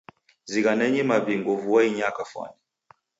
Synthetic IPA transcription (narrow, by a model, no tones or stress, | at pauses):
ziɣanɛɲɛmaβiŋɡɔvuwaiɲakafwa̰nɛ